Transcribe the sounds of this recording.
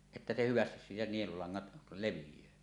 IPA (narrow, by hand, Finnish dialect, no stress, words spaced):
etːæ se hyʋæstis siːtæ nielulɑŋːɑt leʋijˑøː